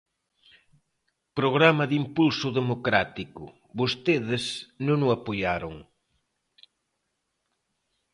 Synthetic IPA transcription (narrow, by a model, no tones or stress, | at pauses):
pɾoɣɾamɐðimpulsʊðemokɾat̪ikʊ | βost̪eðɪsnõŋʊapoʎaɾʊŋ